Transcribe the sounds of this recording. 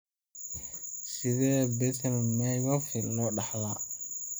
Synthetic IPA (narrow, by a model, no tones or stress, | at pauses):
sɪðɛːbɛsɛlmɛjɔfɪlɔːɖɑħla